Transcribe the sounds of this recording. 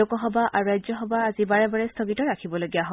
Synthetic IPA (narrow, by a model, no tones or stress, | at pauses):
okɔɦɔbaʔʔaɹuɹajzɔɦɔbaːzibaɹɛbaɹɛstʰɔɡitɔɹakʰibɔloɡijaɦɔ